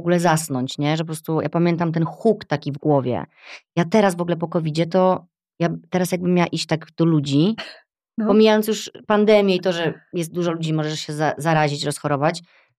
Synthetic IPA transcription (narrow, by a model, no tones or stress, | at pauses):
ɔɡulɛzasnɔɲt͡ɕɲɛʐɛp̬ɔpɾɔst̪uja̰pamʲjɛnt̪̬amt̪̬ɛnxukt̪akʲivɡwɔvʲjɛ̰ | jat̪ɛɾasvɔɡulɛp̬ɔkɔvʲid͡ʑɛt̪ɔ | jat̪ɛɾasjaɡ̚bɘmːjawaʔiɕt͡ɕt̪aɡd̪̥ɔlud͡ʑi | pɔmʲijajɔnsjuʂpand̪ɛmʲjɛit̪ɔʐɛjɛst̪̚d̪uʐɔlud͡ʑimɔʐɛʂɕɛzazaɾaʑit͡ɕɾɔsxɔɾɔvat͡ɕ